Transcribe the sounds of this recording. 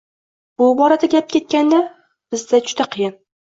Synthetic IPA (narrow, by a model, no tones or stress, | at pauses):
b̥ʊbɒɾad̪aɡʲap̚kʲʰe̞t̪̚kʲand̪a | b̥ɪzd̪ad͡ʒʊd̪aqʰɨjɪn